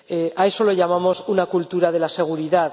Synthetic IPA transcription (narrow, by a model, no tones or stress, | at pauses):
eae̞so̞loʝamamo̞sunakult̪uɾaðe̞lase̞ɣ̞uɾiðað